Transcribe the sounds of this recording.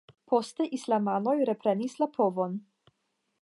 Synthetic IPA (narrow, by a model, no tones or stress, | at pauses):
pʰost̪ɛʔislamanojɾɛpɾɛnislapʰovon